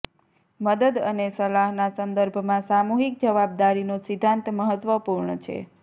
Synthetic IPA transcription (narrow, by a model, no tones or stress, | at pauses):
məd̪əd̪ənesəlaɦnasənd̪əɾbʱmãsamoɦik̚d͡ʒəʋab̚d̪aɾinosɪd̪ʱːãnt̪məɦət̪ʋəpuɾɳət͡ʃʰḛ